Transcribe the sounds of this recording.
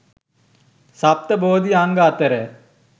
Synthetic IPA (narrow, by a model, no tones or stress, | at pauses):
sap̚t̪əboːd̪iaŋɡat̪əɾə